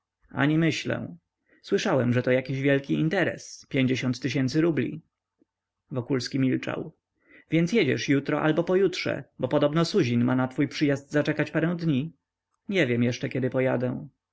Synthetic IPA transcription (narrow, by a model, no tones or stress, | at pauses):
a̰ɲimɘɕlɛ̰̃ | swɘʂawɛmʐɛt̪ɔjakʲiʑvʲjɛlkʲiint̪ɛɾɛ̰spʲjeɲd͡ʑeɕɔ̃nt̪ːɘɕ̬ɛnt̪sɘɾublʲḭ | vɔkulskʲimʲilt͡ʂa̰w | vʲjɛnt̪sjɛd͡ʑɛ̰ʂjut̪ɾɔʔalbɔpɔjut̪ʂɛ̰bɔpɔd̪ɔbnɔsuʑinmanat̪fujpʂɘjazd̪zat͡ʂɛkat͡ɕpaɾɛ̃w̃d̪ɲi | ɲɛvʲjɛmjɛʂt͡ʂɛkʲɛd̪ɘpɔjad̪ɛ̃